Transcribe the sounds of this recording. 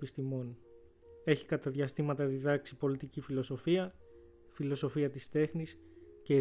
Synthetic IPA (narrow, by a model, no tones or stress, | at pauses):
pist̪imo̞n | e̞çi̥kɐt̪ɐðʝɐst̪imɐt̪ɐðiðɐksipo̞lit̪icifilo̞so̞fiɐ | filo̞so̞fiɐt̪ist̪e̞xnisce̞ː